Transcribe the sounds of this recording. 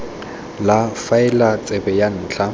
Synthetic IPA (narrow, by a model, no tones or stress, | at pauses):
lafaɪlat͡sʼɛbɛjan̩ːt͡ɬʰa